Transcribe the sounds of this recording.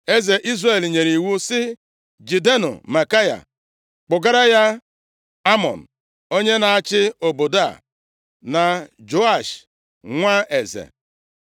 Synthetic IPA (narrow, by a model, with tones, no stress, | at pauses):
e˦ze˨ʔi˦zre˨lɲe˨ɾi˨wu˦sɪ˦ | d͡ʒi˨de˦nʊ̰˨ma˨ka˦ja̰˨ | k͡pʊ˨ɡa˦ɾa˦ja˦ | a˦mɔ̰˨n̩˨ | o˦ɲe˦na˨a˦t͡ʃɪ˦o˨bo˨da̰˦˨ | na˨d͡ʒo˨a˦˨ʃ | ŋʷa˦ʔe˨zḛ˨